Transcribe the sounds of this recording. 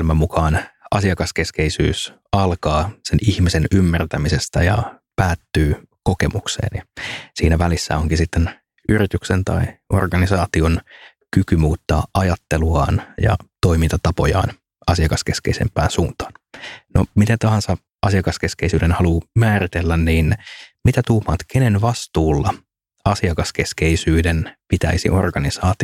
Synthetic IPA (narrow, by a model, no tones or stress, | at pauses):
lmæmukʰɑːnʔɑsiɑkɑskeskeisy̰ːs | ɑlkɑːsenihmisenymːært̪æmisest̪æjɑ̰pæːt̪ːyː | ko̞kemuksḛːnjɑsiːnæʋælisːæ̰oŋkisit̪ːen | yɾit̪yksent̪ɑ̰iʔo̞̰rɡɑnisɑːt̪ion | kykymuːt̪ːɑːʔɑjɑt̪ːeluɑ̰ːnjɑ̰t̪o̞imint̪ɑt̪ɑpojɑ̰ːn | ɑsiɑkɑskeskḛisḛmpːˑæːnsuːnt̪ɑ̥ːnno̰mit̪et̪ɑhɑnsɑ | ɑsiɑkɑskeskeisyːɾenhɑluːmæːrit̪elːænniːnmit̪æt̪uːmɑːt̪kʰenenʋɑst̪uːlːɑ | ɑsiɑkɑskeskeisyːdenpit̪æisḭʔo̞̰rɡɑnisɑːt̪i